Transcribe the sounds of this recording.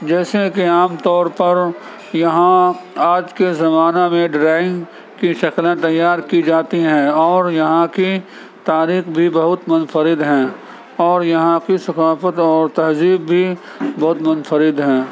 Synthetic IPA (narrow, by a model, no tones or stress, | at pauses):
d͡ʒɛːsekiaːmt̪ɔːɾpɐɾ | jɐɦãaːd͡ʒkezɐmaːnemẽɖɾaːɪ̃ŋɡ | kiʃɐklẽt̪ɐjːaːɾkid͡ʒaːt̪iɦɛ̃ɔːɾjɐɦãki | t̪aːɾiːxbʱibɐɦʊt̪mʊnfəɾɪd̪ɦɛ̃ː | ɔːɾjɐɦãkisɐkaːfət̪ɔːɾt̪ɐɦziːbːʱi | bɐɦʊt̪mʊnfəɾɪd̪ɦɛ̃ː